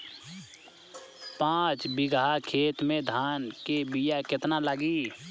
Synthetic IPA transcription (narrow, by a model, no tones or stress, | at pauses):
pãːt͡ʃbɪɡakʰeːt̪mẽd̪ʱaːnkebijakɪt̪naləɡiː